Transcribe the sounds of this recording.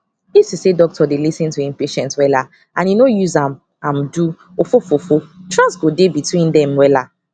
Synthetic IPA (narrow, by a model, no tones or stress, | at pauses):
disissedɔk̚tʰɔdelisĩntuĩmpeʃɛ̃ntwɛla | ʔãnjinojuzãm | ãmdu | ofofofotʰɹãnsɡodebitwĩndɛ̃mwɛla